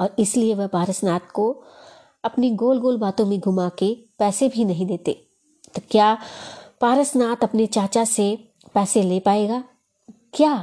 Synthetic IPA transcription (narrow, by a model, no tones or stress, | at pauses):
ɔːɾɪslieʋɐɦpaːɾəsnaːt̪ko | ɐpniɡoːlɡoːlbaːt̪õmẽɡʱʊmakepɛːsebʱinɐɦĩd̪eːt̪ḛː | t̪okjaːpaːɾəsnaːt̪ɐpnet͡ʃaːt͡ʃase | pɛːseleːpaːeːɡaː | kjaː